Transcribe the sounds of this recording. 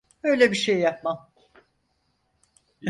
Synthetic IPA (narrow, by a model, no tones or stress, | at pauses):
øjlʲɛbiʃejːap̚mam